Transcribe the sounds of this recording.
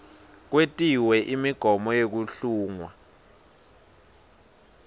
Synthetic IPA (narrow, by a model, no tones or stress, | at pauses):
k̬wetʼiwɛʔimiɡ̥ʱɔmɔjek̬uɬuːŋwa